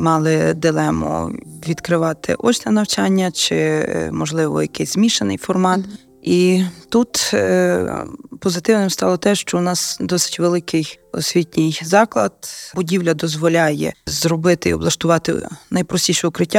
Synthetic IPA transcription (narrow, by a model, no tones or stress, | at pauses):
mɑlˠɪd̪ɪlˠɛmɔ̰ʋʲid̪kɾɪʋɑt̪ʰɪ̰ʔɔt͡ʃʲnɛnɐwt͡ʃɑnʲːɐt͡ʃɪmɔʒlˠɪʋɔ̰jɐkɪsʲzmʲiʃenɪ̰jfɔrmɑt̪ | it̪ut̪ | pɔzɪt̪ɪwnɪmst̪ɑlˠɔt̪ɛʃt͡ʃɔwnɑsd̪ɔsɪ̥tʲʋelˠɪkɪj | ɔ̰sʲʋʲitʲnʲɪjzɑklˠɐd̪bʊdʲiwlʲɐd̪ɔzʋɔlʲɑjɛ̰zrɔbɪt̪ɪiɔblˠɐʃt̪ʊʋɑt̪ɪ̰nɐjpɾɔsʲtʲiʃɛʊkɾɪtʲːa